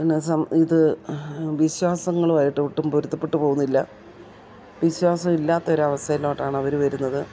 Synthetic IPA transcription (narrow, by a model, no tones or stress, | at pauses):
nːesɐmiðɨ | ʋiɕwaːsɐŋːɐɭʋajiʈːɨuʈːumpuɾut̪ːɐpːeʈːuɨpo̞ːɣunːilːɐ | ʋiɕwaːsɐmilːaːt̪ːɐo̞ɾuɐʋɐst̪ʰɐjiloːʈːaːɳɐʋɐɾuʋɐɾunːɐðɨ